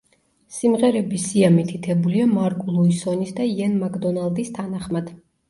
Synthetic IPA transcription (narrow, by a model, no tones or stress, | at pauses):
simʁɛɾɛbisiamit̪ʰit̪ʰɛbuliamaɾkʼulˠuisɔnisd̪ajɛnmakʼd̪ɔnalˠd̪ist̪ʰanaχmad̪̥